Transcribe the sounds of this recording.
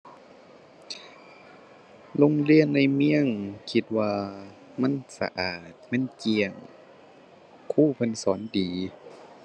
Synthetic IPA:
lo˧˥˨ŋli˧˥ənːa˧˩jmi˧˥˩əŋkʰi˧˦t̪̚waː˧ | ma˧˥˨nsa̰˧ʔaː˨˩t̪̚ma˧˥˨nki˧əŋ | kʰuː˧˥˩pʰɤ˧˨nsɔː˩˦ndiː˨˦

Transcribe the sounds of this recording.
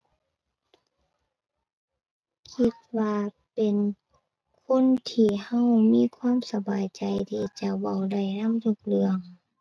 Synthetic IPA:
kʰi˧t̪̚waː˧ | pe˨n | kʰo˧˥˨nt̪ʰiː˧˩ha˧˥˨wmiː˧˥˨kʰwaː˧˥˨msa˧baː˨jt͡ɕa˨jt̪ʰiː˧˩t͡ɕa˧˩wa˧˩wda˧˩jna˧˥˨mju˧˩k̚lɯ˧˩əŋ

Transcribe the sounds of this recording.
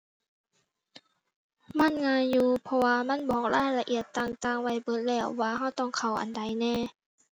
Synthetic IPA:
ma˧˥˨nŋaː˧˥˨njuː˧pʰɔ˧waː˧ma˧˥˨nbɔː˨˦k̚laː˧˩˨jla˧ʔi˨˧˩ət̪ːaː˧˩ŋt̪aː˧˩ŋwa˧˩jbɤ˧˦t̪̚lɛː˧˩wːaː˧hɦa˧˥˩wt̪ɔ˧˥˨ŋkʰa˧˩wʔa̰˨˩nda˨˦jnɛː˧˩˨

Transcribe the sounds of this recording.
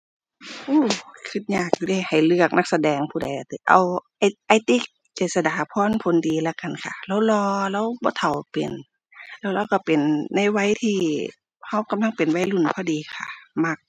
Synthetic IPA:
ʔuː˧˩kʰɯ˧˩t̪̚ɲaː˧˩k̚juː˧da˧˩jha˨˩jlɯ˧˩ək̚na˧˥k̚sa˧dɛː˨˧ŋpʰuː˧da˨˦ja˧˩t̪i˧˩ʔa̰˨˧wʔa˧˩jʔa˧˩jt̪i˧˥˩k̚ | t͡ɕeː˨˩t̪̚sa˧daː˨˦pʰɔː˧˥˨npʰo˨˦ndiː˨˦la˧˩ka˧˨nkʰa̰˧˩la˧˥˨wlɔː˧la˧˥˨wbɔː˧˦t̪ʰa˨˩wpḛ˨˩n | lɛː˧˩˨wɾa˧˥˨wka˧˩pe˨˩nːa˧˥jwa˧˥˨jt̪ʰiː˧˩ | ha˧˩wka˨˦mla˧˥˨ŋpe˨nwa˧˥˩jlu˧˩npʰɔː˧˥˨diː˨˦kʰa̰˧˩ma˧˥k̚

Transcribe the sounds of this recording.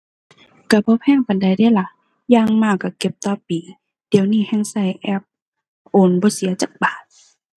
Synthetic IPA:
ka˧˩bɔː˧˦pʰɛː˧˥˨ŋpa˨nda˨˩jda˧˥˨jla˧ | jaː˧ŋmaː˧˩kːa˧˩ke˧˩p̚t̪ɔː˧˨piː˨˩ | d̥i˨˦ə˦wniː˧˥˨hɛ˧˥˨ŋsa˧˩˨jʔɛ˧˥˩p̚ | ʔoː˧˩˨nbɔː˧˦si˨˦ɐt͡ɕa˧˦k̚baː˨˩t̪̚

